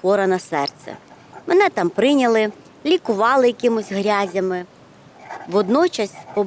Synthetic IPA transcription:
kɔɾɐnɐsɛrt̪sɛ̰ | mɛnɛt̪ɑmpɾɪnʲɐlˠɪ | lʲikʊʋɑlˠɪjɐkɪmʊsʲɦɾʲazʲɐmɪ | ʋɔd̪nɔt͡ʃɐsʲpɔ

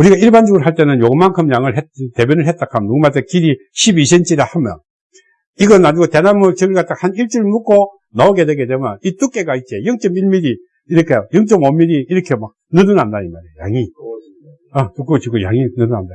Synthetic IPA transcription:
uɾiɡaiɭband͡ʑuɡɯɾoɦaɭt͈enɯnjoɡɯmankʰɯmjaŋɯɭɦete̞bjʌnɯɭɦet̚t͈akʰamnuɡumat͈ʰekiɾiɕʰibisʰent͡ɕ͈iɾahamjʌ̰n | iɡʌnad͡ʑuɡote̞namɯɭt͡ɕɯɡɯɭkat͈akhaniɭt͡ɕ͈uɾɯɭmuk͈o | naoɡe̞dwe̞ɡe̞dwemjʌnit͈uk͈e̞ɡait͡ɕ͈ejɯŋt͡ɕ͈ʌmiɭmiɾi | iɾɯkʰejojɯŋt͡ɕ͈ʌmʌmːiɾiːɾʌkʰemak̚ | nɯnɯnandaimaɾeja̰ŋi | atuk͈ɯt͡ɕik͈oja̰ŋinɯnɯna̰nda

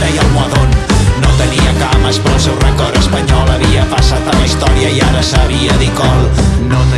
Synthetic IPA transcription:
ɾəjəlˠmuəðonnot̪əniəkaməspɾɔlˠsɛwrəkɔɾəspəɲɔlˠəβiəpəsat̪ələist̪ɔɾiəiaɾəsəβiəðikɔlˠnot̪

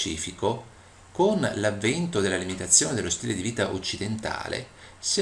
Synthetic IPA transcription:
t͡ʃḭːfiko | konlavːɛnt̪od̪elːalimit̪at̪sːjoːned̪elːost̪iːled̪iviːt̪aʔot͡ʃːid̪ent̪a̰ːlḛs

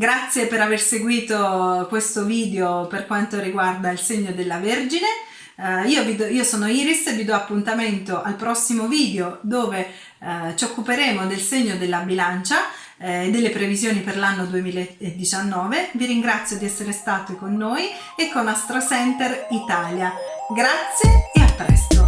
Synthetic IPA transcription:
ɡɾat̪sːjepeɾaverseɡwiːt̪okwest̪oviːd̪eoperkwant̪oɾiɡward̪ailseɲːod̪elːaverd͡ʒine | iːovid̪iːosoːnoiːɾisevid̪ɔapːunt̪ament̪oʔalpɾɔsːimoviːd̪eod̪oːve | t͡ʃokːupeɾeːmod̪elseɲːod̪elːabilant͡ʃa | ed̪ːelːepɾevizjoːniperlanːod̪uemiːlaeed̪ːit͡ʃanːɔːveviɾiŋɡɾat̪sːjod̪iɛsːeɾest̪aːt̪okonːoːj | ekːonːast̪ɾosɛnt̪erit̪aːljaɡɾat̪sːjeeapːɾɛ̰st̪o

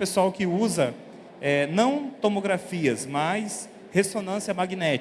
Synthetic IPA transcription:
pesuawkɪuzɐ | ɛnɐ̃w̃t̪omoɡɾafiɐsmas | hesonɐ̃siɐmaɡinɛt͡ʃ

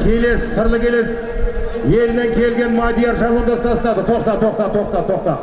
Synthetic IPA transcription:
kʲʰe̞le̞sɪ̥səɾlˠəkʲʰe̞le̞s | je̞lɪne̞ŋkʲʰe̞lɡʲe̞nmɑd̪ʲijaɾʒɑɾud̪ɑst̪ɑsənɑd̪ət̪ʰo̞qt̪ɑt̪ʰo̞q̚t̪ɑt̪ʰo̞qt̪ɑt̪ʰo̞q̚t̪ɑ

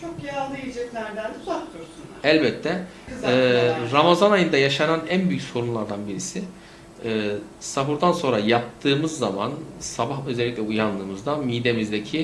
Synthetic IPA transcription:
t͡ʃʰokjalˠɯid͡ʒɛt̪lʲæɾd̪ænd̪bakt̪ˠoɾsunælʲbɛt̪ʰːɛ | ɾamazanajɯnd̪ajaʃananænbyjycso̞ɾunlˠaɾd̪anbiɾisɪː | sabuɾd̪anso̞nɾajap̚t̪ʰɯːmɯzːama̰nsabaɦø̞zeːiclʲɛujanlˠɯːmɯzd̪amijd̪e̞mizd̪ecʰi

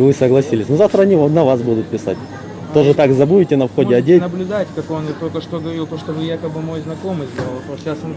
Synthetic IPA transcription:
vɨsəɡlˠɐsʲilʲɪsʲnozaft̪ɾəɐnʲinɐvasbud̪ʊt̪̚pʲɪsa̰t̚ʲ | t̪o̞ʐɨt̪akzɐbuɪtʲɪnɐfxo̞dʲɪɐdʲenəblʲʊd̪atʲkɐkonɨt̪olʲkəʂt̪oɡəvɐɾilˠt̪oʂt̪ovɨjakəbɨmo̞jznɐko̞mɨjzd̪alˠpoas

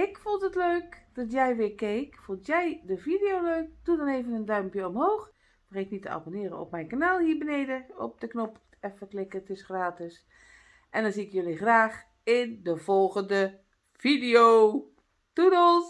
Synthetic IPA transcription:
ɪkfulˠtətløːkd̥ɔtjɛjʋɪːɹkeːkfulˠtjɛjdəvidejoːløːk̚dudɔneːvənəndœɥmpjəɔmhoːx | mreknitəa̰bonɪːɾəɔ̰pmɛjnkanaːlˠhiːbəneːdəɔ̰p̚dəknɔp | ɛfəklɪkətɪsχraːtɪs | ʔɛndɔnziɪkjøliχraːx | ɪndəv̥ɔlˠɣəndə | v̥idio | tunəlˠs

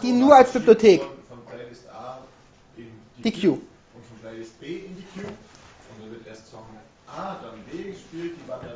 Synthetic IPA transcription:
d̥iːnːuːɐalsb̥yblotʰeːkfɔnɡlaɪɪstʔaː | ʔɪn̥d̥iːkʰjuː | ʊntfɔnɡlaɪɪst̚b̥eːɪndikʰjuːʊntd̥avɪɐtʔeɐstfɔnm | ʔaːdanbeːɡəʃpyːlt̚d̥iːvatɐ

